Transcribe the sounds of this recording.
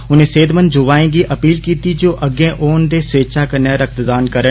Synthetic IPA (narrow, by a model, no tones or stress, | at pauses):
ʊnẽːseːd̪mənd͡ʒoʋaːẽːɡiʔəpiːlkiːt̪id͡ʒoːʔəɡẽːʔoːnd̪eːsʋeːʃʰaːkəɾneɾək̚t̪d̪aːnkəɾə